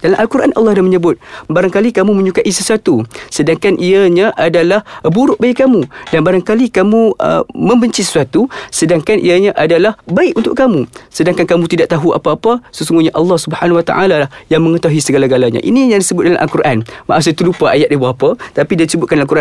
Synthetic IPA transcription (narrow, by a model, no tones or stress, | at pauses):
dalamʔalkuɾʔanʔɑ̰lːɑhdahməɲəbʊt̪̚baɾaŋkalikamũmə̃ɲukaʔisəsuat̪usədaŋkanʔiaɲãʔadalahbuɾʊʔ̚baɪʔkːamudanbaɾaŋkalikamũə̰mə̃mbəɲt͡ʃisə̥suat̪usədaŋkanʔḭaɲaʔadalahbaɪʔunt̪ʊ̰ʔkamusədaŋkankamũt̪idaʔ̚t̪aɦua̰paːpasəsuŋɡuɲaʔɑlːɑhsubəhanawat̪a̰ʔalalahjaŋməŋət̪aɦuisəɡalaɡalaɲã̰ʔḭnijaŋdisəbʊt̪̚dalamʔalkuɾʔanma̰ʔas̬ɪt̪əlupaʔajat̪̚dibaɦapat̪apidadisəbʊt̪kandalaŋkuɾʔa